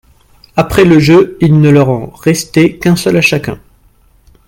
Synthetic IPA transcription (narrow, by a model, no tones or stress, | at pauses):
apχɛləʒøilnəlœʁɔ̃ʁɛst̪ekɛ̃sœlaʃakʲɛ̃